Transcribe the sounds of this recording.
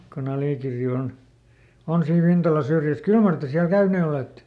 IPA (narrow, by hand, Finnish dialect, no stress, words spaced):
kon ɑliˑkirːi on on siːn ʋintɑlɑ syrjˑæs kyl mɑr te siæl kæyneː oleˑtːe